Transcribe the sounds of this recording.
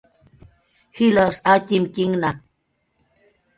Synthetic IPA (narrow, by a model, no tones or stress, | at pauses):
hilosat̪imkiŋna